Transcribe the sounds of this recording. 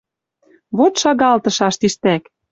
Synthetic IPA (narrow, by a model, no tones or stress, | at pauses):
βot̪ʃɑɣɑlt̪ɤ̆ʃɑʃt̪iʃt̪æk